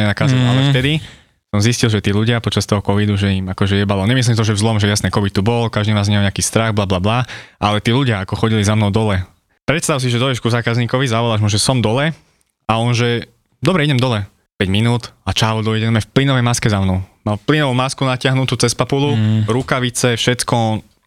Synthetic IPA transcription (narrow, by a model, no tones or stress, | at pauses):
ɲɛnakaːzana̰lɛft̪ɛd̪i | sɔmziscilˠʒɛt̪iːluɟɪapɔt͡ʃast̪ɔɦɔkɔʋid̪uʒɛimakɔʒɛjɛbalˠɔɲɛmis̬limt̪ɔʒɛvzlɔmʒɛjasnɛːkɔʋit̪t̪ːubɔlkaʒd̪iːnaːzɲɛɲɛakiːst̪ɾaɣblablablaʔalɛt̪iːluɟɪaakɔxɔɟilizamnɔʊd̪ɔlɛ | pɾɛt̪st̪aʊs̬iʒɛd̪ɔjɛʃkuzaːkazɲiːkɔʋizaʋɔlaʒmuʒɛsɔmd̪ɔlɛ | aɔnʒɛ | d̪ɔbɾɛiɟɛmd̪ɔlɛ | pɛɟminuːt̪at͡ʃaːʋɔd̪ɔiɟɛnamɛfplinɔʋɛjmaskɛzamnɔʊmafplinɔʋumaskunacɪaɦnut̪uːt͡sɛspapuluɾukaʋit͡sɛfʃɛt̪kɔ